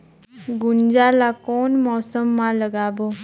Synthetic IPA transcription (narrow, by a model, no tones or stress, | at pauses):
ɡʊnd͡ʒalakoːnmɔːsəmːãləɡaːboː